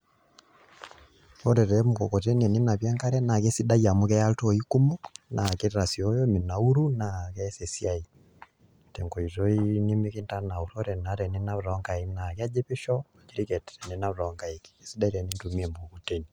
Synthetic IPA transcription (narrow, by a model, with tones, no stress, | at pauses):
tɔ˦ɾɛ˨ɾɛ˨muko˨ko˨te˦niɛ˨ni˦na˨βjɛ˦ŋka˦ɾɛ˦na˨ke˦si˦da˦ja˨mu˦kɛ˦ja˦lto˦i˦ku˦mu˦knʔa˨ke˦ɾa˨si˨o˦jo˦mi˨na˨u˦ɾu˦nakɛ˦se˨si˦ai | tɛ˨ŋko˨i˨to˦i˦ni˦mi˦ki˦nta˦na˨o˨ɾɔ˦ɾɛ˨na˨ɾɛ˨ni˦na˦βɾɔ˨˦ŋka˨i˦na˨kɛa˦d͡ʒe˦pi˦ʃɔ˦˨d͡ʒiɾi˦kɛ˨tɛɾɛ˨ne˨˦na˦βɾɔ˨ŋɡa˨i˨ki̥esi˦da˦i˦ɾɛ˨ni˦ntu˨mi˦ɛ˨mukoko˨te˦ni